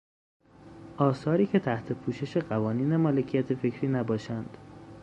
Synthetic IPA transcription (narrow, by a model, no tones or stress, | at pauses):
ʔɒːsɒːɾiːcʰe̞t̪ʰæht̪ʰe̞pʰuːʃe̞ʃe̞ɢævɒːniːne̞mɒːlecʰijæt̪ʰefecʰɾiːnæbɒːʃænd̪̥